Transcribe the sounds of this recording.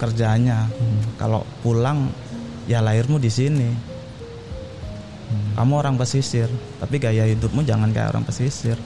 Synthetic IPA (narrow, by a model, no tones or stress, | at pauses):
kərd͡ʒaɲaka̰lo̰pulaŋ | jalaɪrmudisini | kamuoɾaŋpəsisɪrt̪apiɡajaɦidʊp̚mud͡ʒaŋanka̰ja̰o̰ɾa̰ŋpəsisɪr